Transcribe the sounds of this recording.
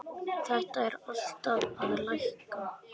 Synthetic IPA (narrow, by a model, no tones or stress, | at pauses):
θɛht̪aɛɾal̥t̪aðaðlajxk